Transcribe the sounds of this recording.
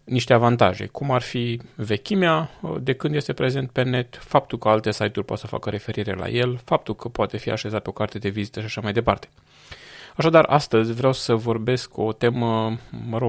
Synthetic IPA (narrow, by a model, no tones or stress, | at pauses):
niʃt̪e̞avant̪aʒe̞̰kumarfive̞kʲimead̪e̞kɨnd̪jest̪e̞pɾe̞ze̞nt̪̚pe̞ne̞t̪fap̚t̪ulkəalt̪e̞sajt̪urʲpo̰t̪səfa̰kəɾe̞fe̞ɾiɾe̞̰la̰je̞lfap̚t̪ulkəpoat̪e̞fia̰ʃe̞zat̪̚eo̞kart̪e̞d̪e̞vizit̪əʃiaʃamajd̪e̞part̪e̞̥ | aʃad̪arʔa̰st̪əzʲvɾeawsəvo̞rbe̞sko̞t̪e̞məməɾo